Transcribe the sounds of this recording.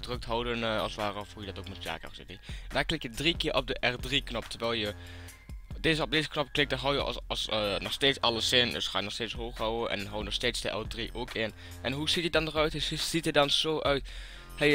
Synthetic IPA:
drøk̚tɦɔwdənɑ̰lˠsʋaːrəɔfuːjədɔtoːkmɛtja̰ːkɔ̰sɪ̰tedaːɹklɪkjədrikɪːɹʔɔb̚dəʔɛrdriknɔp̚tʰəɹʋɛlˠjə | deːzəɔb̚deːzəknɔpklɪk̚dəɦɔwjə̰ɑsnɔχsteːtsɑləsɪndə̰sχaːjnɔxsteːtsɦoːχɦɔwəʔɛ̰nɦɔwənɔχsteːtsdəʔɛ̰lˠdriʔoːkʰɪn | ʔɛnɦuz̥itjədɑndərœɥtz̥itədɑnz̥oːʔœɥt | he

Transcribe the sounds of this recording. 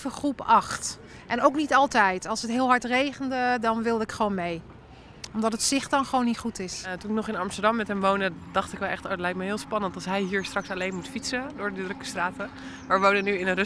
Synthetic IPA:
vəχrupɑxt | ʔɛnowknitɑlˠtɛjtɑlˠsətɦɪːlˠɦɑɹtrejɣəndədɔnʋɪlˠdəɪkχʋownmej | ɔmdɔtətsɪχdɔnχəʋoːwnːitχutɪstunɪknɔχɪnɑmstəɹdɑmːɛtɦɛmʋowndədɑχtɪkʋɛlˠɛχtoətlɛjk̚tməɦɪːlˠspɑnəntɑlˠsɦɛjɦiːɹstrɑksalejnmutfitsədʊːɹdədrøkə̥straːtə | maːɹʋonənyɪnər

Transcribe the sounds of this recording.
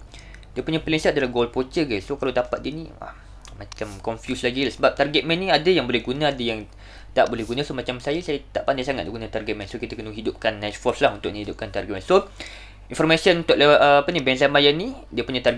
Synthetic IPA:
diəpuɲãpəlinsat̪̚dalaɡolpot͡ʃəɡassokalawdapat̪̚diənḭwa̰ | mat͡ʃamkɔnfjuslaɡilasəbap̚t̪arɡɛt̪̚mɛ̃nːĩadajaŋbolɛhɡunãadajaŋ | t̪aʔbolɛhɡunãsomat͡ʃamsajasajat̪aʔpandajsaŋat̪̚diɡunãt̪arɡɛt̪̚mɛnsokit̪akənuɦidʊp̚kanːɛt̪fɔslahunt̪ʊk̚nihidʊp̚kant̪arɡɛt̪̚mɛnso | infɔrmasiənunt̪ʊʔləəapənibɛnsamajanidiəpuɲãt̪arɡ

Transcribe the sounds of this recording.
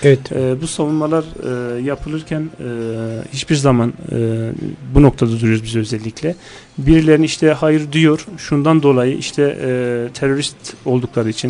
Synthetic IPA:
ɛɛɛːbusavunmalˠaɾɯːjapʰɯlˠɯɾcʰænː | hit͡ʃbiɾzamanɯbuno̞k̚t̪ʰad̪ad̪uɾjoɾuzbizøzɛlʲːicʰʲlʲɛ | biɾilʲe̞ɾiniʃt̪ʰɛɦajɯɾd̪yjo̞ɾʃund̪and̪o̞lˠajɯʔiʃt̪ʰɛt̪ʰeɾo̞ɾist̪o̞lˠd̪uklˠaɾɯit͡ʃʰin

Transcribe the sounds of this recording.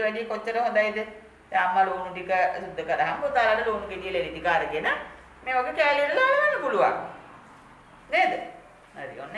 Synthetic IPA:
ʋæɡeːkot͡ɕːɐɾəɦõd̪ajit̪ə | saːmːaloːnuʈ̬ikəsud̪ʱːəkəɾəaɦampot̪aːlaʈəloːnukeʈijeleʋid̪ikaːɾəkena | meːʋaɡekæːlijʈəlaːləʋanːəpuluʋa̰ŋ | neːd̪ə | aɾḭo̰nː

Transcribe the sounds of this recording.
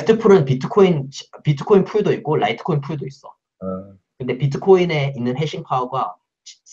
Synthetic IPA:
tʰɯpʰuɾɯnpitʰɯ̥kʰoint͡ɕpitʰɯ̥kʰːoinpʰuɭdoik͈̚oɾa̰itʰɯ̥kʰoinpʰuɭdois͈ʌ̰ | kɯnde̞pitʰɯ̥kʰoine̞inːɯnɦe̞ɕʰinpʰaoɡwa | t͡ɕi̥

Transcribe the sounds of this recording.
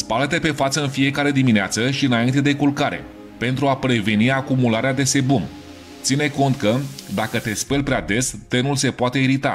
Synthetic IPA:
spalət̪e̞pe̞fat̪səɨnfie̞kaɾe̞d̪imineat̪səʃiɨnaint̪e̞d̪e̞kulkaɾe̞̰ | pe̞nt̪ɾuapɾe̞ve̞niakumulaɾead̪e̞se̞bum | t̪sine̞ko̞nt̪kəd̪akət̪e̞spelʲpɾead̪e̞st̪e̞nulse̞poat̪e̞iɾit̪a̰

